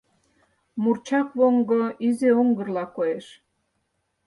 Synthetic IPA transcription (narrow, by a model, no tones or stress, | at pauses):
murt͡ɕɑkβoŋɡoizeuŋɡə̆rlɑkoeʃ